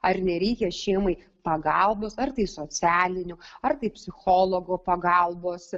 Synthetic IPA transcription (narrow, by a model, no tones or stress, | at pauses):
ɐɾnʲɛɾʲɛɪkʲɛʃʲɛɪmɐɪ | pɐɡɐlˠboːsɐrt̪ɐɪsoːt͡ssʲæːlʲɪnʲʊɐɾt̪ɐɪpʲsʲɪxoːlˠoːɡoːpɐɡɐlˠboːs